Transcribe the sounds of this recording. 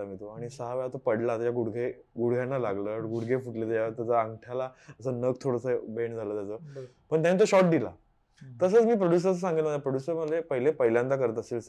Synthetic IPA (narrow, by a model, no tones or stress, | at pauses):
amit̪oaɽ̃isəɦaʋeɭat̪opəɽlat̪əjaɡuɽɡʱe | ɡuɽɡʱjanːalaɡləːɡuɽɡʱefuʈlet̪jat̪at͡saəŋɡʈʰjalaəsəːnəkt̪ʰoɽəsəbeɳd͡zʱaləːt̪jat͡səːpəɳt̪janːit̪oɕɔʈ̚d̪ila̰ | t̪əsət͡smiːpɾoɽjus̬əɾs̬əsaŋɡit̪ləməjapɾoɽjusəɾməd̪ʱlepəɦilepəɦiljãnd̪akəɾət̪̬əsels